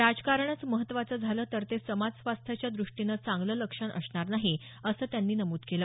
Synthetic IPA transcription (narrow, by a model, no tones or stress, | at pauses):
ɾad͡zkaɾɳat͡sməɦət̪ːʋat͡səːd͡zʱaləːt̪əɾt̪esəmad͡zsʋast̪ʰjat͡ɕjad̪ɾuʂʈinət͡sãŋɡlələkʂəɳʔə̰sɳaɾnaɦi | əsəːt̪janːiːnəmuːt̪keləː